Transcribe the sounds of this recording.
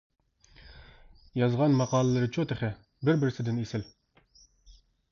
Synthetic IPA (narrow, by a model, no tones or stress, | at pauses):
jɑzʁɑnmɑqɑːlˠɨlˠɨɾɨt͡ʃʰot̪ʰɪχɛ | bɪɾbɪɾsɪd̪ɪnesɪl